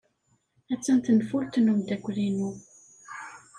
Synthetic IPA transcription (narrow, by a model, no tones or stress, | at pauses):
æt͡sːənt̪ənfult̪numd̪ækʷːðinu